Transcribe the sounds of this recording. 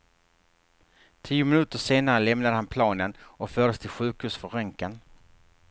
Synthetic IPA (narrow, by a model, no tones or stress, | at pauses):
t̪ʰiːʊmɪnʉ̟ːt̪əʂeːnaɾəlɛmnad̪əhanpʰlɑːnənʔɔkfœːɖəst̪ʰɪlɧʉ̟ːkhʉ̟ːʂfœɾœŋkən